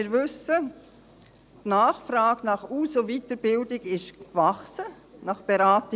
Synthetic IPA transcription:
ɪɾʋʏsə | tnaːχfrɑːɡnɑχuːsovitəɾbɪldɪɡɪʃkvɑχsə | nɑχb̥eɾaːtɪ

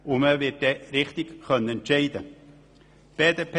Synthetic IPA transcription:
ʊməvɪt̚d̥eɾɪχt̪ɪkχœnːəɛntt͡ʃɛɪdə | b̥eːdep

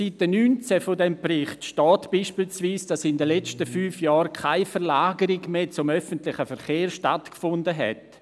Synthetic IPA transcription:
sit̚d̥ənyːnt͡sɛfodɛmprɪχtʃtɔːtb̥iːʃpiːlsviːsd̥asɪndəlɛt͡stəfyːfjɔːɾkʰaɪfɛɾlaːɡəɾiɡmeːt͡sʊmœfəntlɪχəfɛɾχeːɾʃtatkfʊndəɦɛ̰t

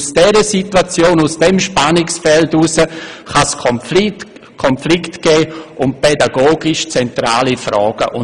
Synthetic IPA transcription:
sd̥ɛɾəsitwat͡sjoːnusd̥ɛmʃpanɪksfɛltusəχaskʰɔ | kʰɔnflɪktɡ̥ɛːʊnt̚pʰɛdaɡoːɡɪʃt͡sɛntɾa̰ːlifɾɔːɡ̥əʔʊ

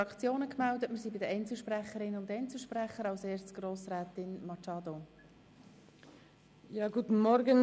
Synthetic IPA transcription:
ɑkʰt͡sjoːnəkmældətməɾsiːbɪdəʔɛɪnt͡sl̩ʃprɛχəɾɪnʊnt̪ɛɪnt͡sl̩ˠʃprɛχəɾɑlseːst͡sɡ̥roːsrɛːt̪ɪnmɑt͡ʃɑːd̪o | jɑːɡuːt̪n̩mɔɾɡən

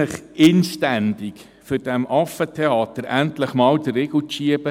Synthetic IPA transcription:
əχɪnʃtænd̪ik | fʏɾd̥æmʔɑfətʰeɑːt̪əɾæntləχmɑːwd̥̪ərɪɡl̩ʊtʃiəb̥ə

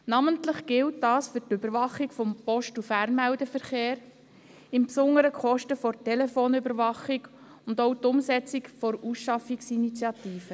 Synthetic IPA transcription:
nɑməntləχɡ̥ɪltdɑːsfʏɾtʏbəɾʋɑχikfɔmpɔʃtufæɾnmæʊdəfəɾχeːɾ | ɪmpsʊŋːəɾəkχɔʃtəfɔɾtɛlɛfoːnʏbəɾʋɑχik | ʊndowtʊmsɛt͡sikfɔɾusʃɑfiksinit͡sjɑtiːfə

